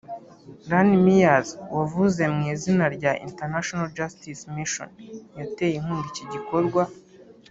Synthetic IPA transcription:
danimijazwavuze̞mŋiːzinaɾɟaʔḭnteɾnaʃonald͡ʒastismiʃo̰njate̞ːjim̥uːndiciɟiko̞ɾɡwa

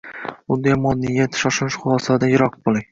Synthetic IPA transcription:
ʊnd̪ajmɒd̪ːɪjʲat̪ʰɪ̥ʃɒʃɪnɪʃχʊlˠɒsad̪ajɪɾɒq̚bolˠɪŋ

